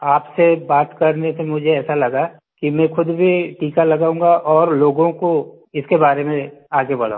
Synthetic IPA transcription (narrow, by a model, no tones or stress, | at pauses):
aːpsebaːt̪kɐɾnesemʊd͡ʒʱeɛːsalɐɡa | kimɛ̃xʊd̪bʱiʈiːkalɐɡaːũːŋɡaʔɔːɾloːɡõko | ɪskebaːɾemẽaːɡebɐɽã̰ː